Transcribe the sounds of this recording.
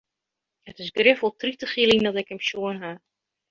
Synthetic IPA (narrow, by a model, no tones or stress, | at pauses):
hətɪsɡrɪfolˠtritəχilˠiŋdɔtɛkəmʃjoənɦa